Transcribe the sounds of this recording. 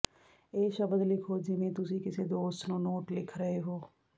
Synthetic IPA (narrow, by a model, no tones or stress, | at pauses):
eːʃɐbəd̪lɪkʰod͡ʒɪmẽt̪ʊsikɪsed̪oːst̪nonoːʈlɪkʰɾəɦeɦoː